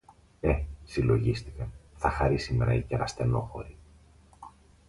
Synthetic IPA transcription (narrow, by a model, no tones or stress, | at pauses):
e̞silo̞ʝist̪i̥kɐθɐxɐɾisime̞̰ɾɐ̰iceɾɐst̪e̞no̞̰xo̞̰ɾi